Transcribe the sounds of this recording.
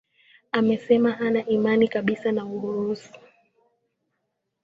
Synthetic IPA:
amɛsɛmaɦanaʔimanikaɓisanauɾuɾusu

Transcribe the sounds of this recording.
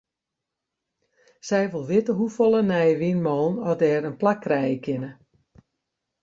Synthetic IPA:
sɛjʋulˠʋɪtəɦufɔlˠənɛjəʋinmɔːnɔdɛːɾənplakːrɛjəkʰɪnə

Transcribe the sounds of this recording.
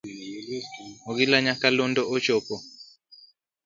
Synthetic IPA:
ɔɣilaɲakalɔndɔʔɔt͡ʃɔpɔ

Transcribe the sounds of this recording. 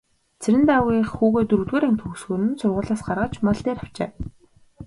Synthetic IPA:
t͡sʰeɾɘ̆nt̪aɣiːxxuːɣeːt̪ɵɾɵ̆ɣt̪weːɾaŋt̪xɵxsxoːɾɘ̆nt͡sʰʊrʁʊːɮaːsɢarʁə̆t͡ɕmaɮt̪eːɾaw̥t͡ɕeː

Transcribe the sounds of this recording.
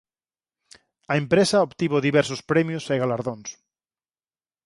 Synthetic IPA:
ɐempɾesaopt̪iβoðiβɛɾsospɾemjoseɣalaɾðõns

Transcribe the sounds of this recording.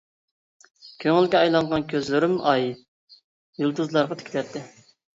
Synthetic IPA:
kʲʰøŋɪlɡʲɛɑjlˠɑɴʁɑnkʲʰøzlyɾymɑj | julˠd̪uzlˠɑɾʁɑt̪ʰe̥kʰʲlɛp̚t̪ʰːɪ

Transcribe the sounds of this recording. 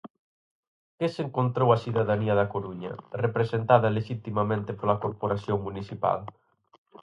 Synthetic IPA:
keseŋkont̪ɾowasiðaðaniɐðakoɾuɲɐ̰repɾesent̪aðɐleʃit̪imamẽnt̪epolakoɾpoɾaθjoŋmuniθipa̰l

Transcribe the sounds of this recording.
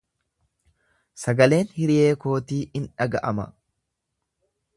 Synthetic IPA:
sɐɡɐle̞ːnhɪɾɪje̞ːko̞ːt̪iːʔɪnᶑɐɡɐʔɐmɐ̰

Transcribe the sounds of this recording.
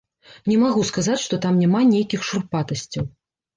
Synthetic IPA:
nʲɛmaɣuskazat͡sʲʂt̪ɔt̪amnʲamanʲejkʲixʂurpat̪ɐsʲt͡sʲːɐw

